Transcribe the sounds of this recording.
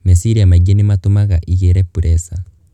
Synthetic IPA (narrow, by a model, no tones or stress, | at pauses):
mesiɾiamaiɡenematomaɣaʔiɣeɾɛpuɾʔɛsa